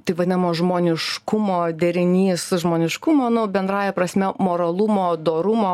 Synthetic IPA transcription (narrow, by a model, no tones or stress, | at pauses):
t̪ɐɪʋɐd̪ʲɪnɐmoːʒmoːnʲɪʃkʊmoːd̪ʲɛɾʲɪnʲiːsʒmoːnʲɪʃkʊmoːnʊbʲɛnd̪ɾɑːjɛpɾɐsʲmʲɛmoːɾɐlˠʊmoːd̪oːɾʊmoː